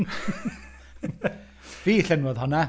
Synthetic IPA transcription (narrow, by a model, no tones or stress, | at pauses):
v̥iːɬɛnwɔðhɔna